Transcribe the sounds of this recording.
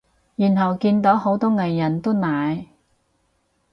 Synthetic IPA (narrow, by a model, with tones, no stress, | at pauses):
jyː˨˩nɦɐ˨˩wkiː˧nt̪o˨˥who˨˥wt̪ɔː˥ŋɐ˨˩jːɐ˨˩nt̪o˥naː˨j